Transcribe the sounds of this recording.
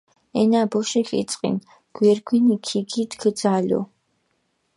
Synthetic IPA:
ɛnaːbɔʃɛɬḭt͡sʼqʼḭn | ɡ̥ʷɛrɡʷinikʰiɡʰit̪kʰɨd͡zaːlʲo̰

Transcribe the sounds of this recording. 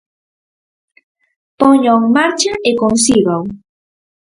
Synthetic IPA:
poɲoŋmaɾt͡ʃaekonsiɣaw

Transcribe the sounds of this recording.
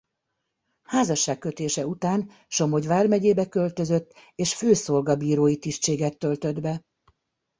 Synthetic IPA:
haːzɒʃːaːkkːø̞t̪eːʃɛut̪aːn | ʃo̞mo̞ɟʋaːrmɛɟeːbɛkø̞lt̪ø̞zø̞t̪ːeːʃføːso̞lɡɒbiːɾoːjit̪iʃt͡ʃeːɡɛt̪ːø̞lt̪ø̞d̪bɛ

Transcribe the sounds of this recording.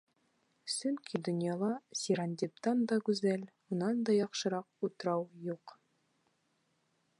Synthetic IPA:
sɵŋkʰid̪ɵ̆njɑlˠɑsʲiɾand̪ʲip̚t̪ɑnd̪ɑɡʉzælmŭnɑnd̪ɑjɒqʃɤ̆ɾɑq̚ut̪ɤ̆ɾɑwjuq

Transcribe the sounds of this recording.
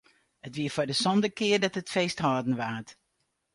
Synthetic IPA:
ətʋiəfʊːdəsɔndəkɪːrdɑtɦətfeːsthɔːdən̩ʋaːt

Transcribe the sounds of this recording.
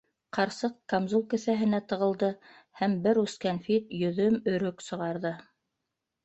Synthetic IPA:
qɑɾsɤq̚kamzulˠkɘ̆θæɦɘ̆næt̪ɤ̆ʁɤ̆lˠd̪ɤ | hæmbɘɾʉskænfit̪jɵ̆ðɵmɵ̆ɾɵksɤ̆ʁɑɾðɤ

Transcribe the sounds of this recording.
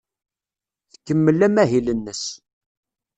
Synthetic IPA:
θə̥kːəmːəlːæmæɦilənːəs

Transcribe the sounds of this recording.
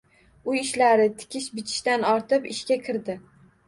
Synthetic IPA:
ʊjɪʃlaɾɪt̪ʰɪ̥kʲʰɪʃbɪt̪ʰɪ̥ʃt̪anɒɾt̪ʰɪpɪʃkʲakʲʰɪɾd̪ɪ

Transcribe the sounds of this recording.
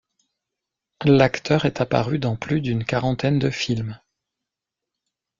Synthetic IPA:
lakt̪ʰœʁɛt̪apa̰ʁyd̪ɑ̃plyd̪ynkaʁɑ̃t̪ɛnd̪əfilm

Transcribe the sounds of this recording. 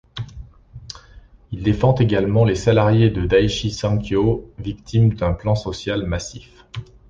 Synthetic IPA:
ild̪efɑ̃t̪eɡalmɑ̃lesalaʁjed̪əd̪ajʃisɑ̃kjovikt̪ʰimd̪ɛ̃plɑ̃sɔsjalmasif

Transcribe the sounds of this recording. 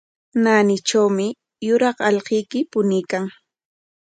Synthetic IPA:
naːnɪt͡ʃawmɪ | jʊɾɑχɑʎqɪjkɪpʊnɪkaŋ

